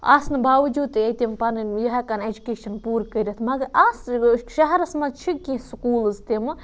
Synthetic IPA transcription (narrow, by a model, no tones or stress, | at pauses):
a̰ːsnɨbaːʋɐd͡ʒuːd̪̚t̪ɐt̪impɐnjɐɦɐkɐned͡ʒukeːʃɐnpuːɾkəiɾɐt̪ʰmɐɡɐɾaːsʃɐɦɛɾɐsmɐzt͡ʃʰikĩskuːlzt̪im